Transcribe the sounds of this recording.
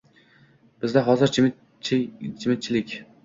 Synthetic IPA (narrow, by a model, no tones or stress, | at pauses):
b̥ɪzd̪aɦɒzɪɾt͡ʃʰɪ | t͡ʃʰɪmɪt̪̚t͡ʃʰɪlɪkʲ